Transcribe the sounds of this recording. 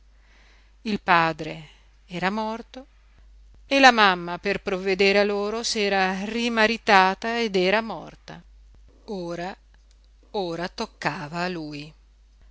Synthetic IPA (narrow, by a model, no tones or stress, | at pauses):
ilpaːd̪ɾe | ɛːɾamɔrt̪o | elamamːaperpɾovːed̪eːɾealːoːɾosɛːɾarimaɾit̪aːt̪aed̪ɛːɾamɔ̰rt̪a̰ | oːɾa | oːɾat̪okːaːvaːluːj